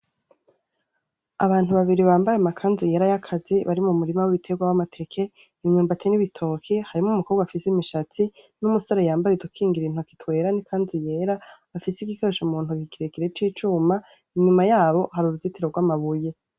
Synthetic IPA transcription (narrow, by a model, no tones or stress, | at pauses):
aβaːn̥uβaβiɾiβaːmbajemakʰaːnzuje̞ɾajakʰaziβaɾimumuɾimawiβitʰe̞ɡwawamatʰe̞kʰe̞ | imɲuːmbatʰeniβitʰo̞kʰihaɾimumukʰoːβɡwafisimiʃat͡sinumusaɾajaːmbajeudukʰiːŋɡiɾin̥uakitwe̞ːɾanikʰaːnzuje̞ɾaβafisiɡikeʃomuːn̥hukiɡiɾekiɾet͡ʃiːt͡ʃuma | iɲumajaːβo̞ɦaɾuɾuzitiɾo̞ɡwaːmaβuje